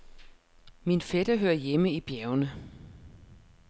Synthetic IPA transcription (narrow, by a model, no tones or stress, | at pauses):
minfeɾ̥ɐɦøɐjeməib̥jæɐʊnə